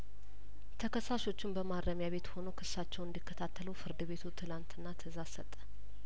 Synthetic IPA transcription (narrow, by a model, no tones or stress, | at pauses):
t̪ʰəkʰəsːaʃo̞t͡ʃːɪnbəmad̪ɾəmjaβe̞t̪ho̞nokʰɨssːat͡ʃːɛwɨnd̪ikʰːət̪ʰat̪ʰːəlufɨɾd̪ɨβe̞t̪ʰut̪ʰɨlant̪ɨnːat̪ʰɨzasət̪ʼːə̥